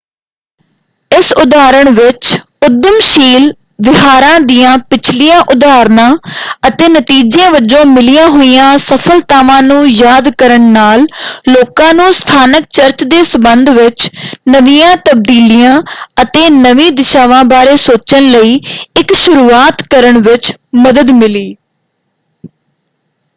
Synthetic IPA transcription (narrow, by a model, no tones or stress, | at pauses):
ɪsʊd̪aːɾəɳʋɪt͡ʃ | ʊd̪əmʃiːl | ʋɪɦaːɾãːd̪ijãːpɪt͡ʃʰlijãːʔʊd̪aːɾnãːət̪eːnət̪iːd͡ʒãːʋəd͡ʒõːmɪlɪjãːɦoːijãːsəpʰəlt̪aːʋãːnũːjaːd̪kəɾəɳnaːlloːkãːnũːst̪ʰaːnək̚t͡ʃəɾt͡ʃd̪eːsəbənd̪ʋɪt͡ʃnəʋijãːt̪əb̚d̪iːlijãːət̪eːnəʋĩːd̪ɪʃaːʋãːbaːɾeːsoːt͡ʃənləiːɪkʃʊɾuːaːt̪kəɾəɳʋɪt͡ʃməd̪əd̪mɪliː